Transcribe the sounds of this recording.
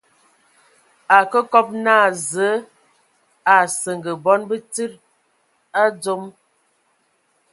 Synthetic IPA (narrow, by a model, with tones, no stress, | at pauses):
a˨kə˦kɔ˦p̚na˦˨zə˨˦ | a˨sə˨ŋɡə˨bɔ˦nbə˦ti˦ɾ | a˦d͡zo˦m